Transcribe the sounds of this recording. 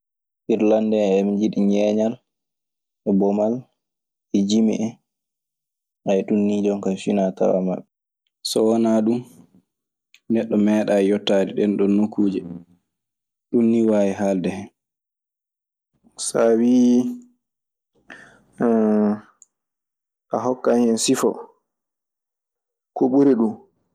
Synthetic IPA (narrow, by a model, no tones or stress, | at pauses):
ʔiɾlandɛɛmd͡ʒiɗiɲɛɲal | ɛbɔmal | ɛd͡ʒimḭʔɛ | ʔajɗunːid͡ʒɔŋkajfinata̰wa̰ma̰ɓɛ | sɔwɔnaɗum | nɛɗːɔmɛːɗajɔtːadɛɗɛnɗɔnːukuːd͡ʒɛ | ɗunːiwaːjiɦaldɛhɛn | sawi | ʔaɦɔkːanhɛnsifɔ̰ | koɓuɾiɗum